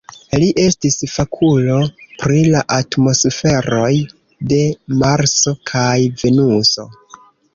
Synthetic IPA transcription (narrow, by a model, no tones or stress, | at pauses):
liʔe̞stisfakʰulo̞pɾilaʔatmo̞sfe̞ɾo̞j | de̞maɾso̞kʰajve̞nuso̞̰